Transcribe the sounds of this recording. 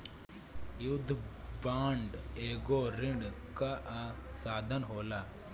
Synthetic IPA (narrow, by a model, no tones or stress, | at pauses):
jud̪ʱːbaːɳɖeːɡoɾɪɳɖ | kaasaːd̪ʱənɦoːlaː